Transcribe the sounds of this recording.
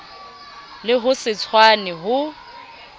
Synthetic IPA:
lɪɦʊsɪt͡sʰwanɛɦʊ

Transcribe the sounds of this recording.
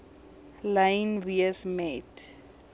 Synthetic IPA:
lãjnviəsmɛt

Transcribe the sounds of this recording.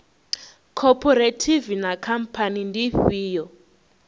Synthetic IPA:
kʰɔpʰɔɾetʰivinakʰampʰanindiɸiːjɔ

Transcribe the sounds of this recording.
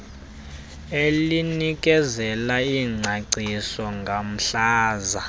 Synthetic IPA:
elinik̬ʼɛzɛlaiːŋ͡ǀʱaǀisɔŋɡʱam̩ɬaːza

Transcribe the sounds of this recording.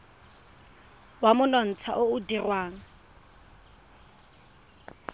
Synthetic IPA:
wamʊnɔn̩t͡sʰa̰ʔoʊdirwaːŋ̩

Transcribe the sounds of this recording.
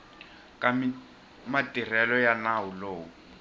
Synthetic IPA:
kʼam | matʼirɛlɔjanaʊloːʊ

